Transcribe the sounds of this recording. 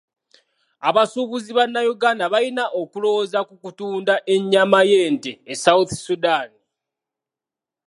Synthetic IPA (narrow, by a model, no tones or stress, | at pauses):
aβasuβuziβanːajuɡandaβainaʔo̞kulo̞zakukutuːndaʔe̞ɲːamaje̞ːnteːsauθi̥sudaːni